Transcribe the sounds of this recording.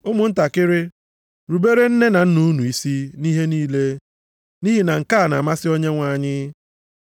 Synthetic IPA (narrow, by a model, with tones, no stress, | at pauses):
ʊ˦mʊ˨n̩˦ta˨kɪ˦ɾɪ˦ | ɾu˨be˦ɾe˦n̩˦ne˦na˨n̩˦nu˦u˦nu˨i˨si˦ni˦ɦe˦niː˦le˦ | ni˦ɦi˨na˨ŋ̩˨ka˦˨na˨ma˦sɪ˦o˦ɲe˦ŋʷa˨ɲɪ˦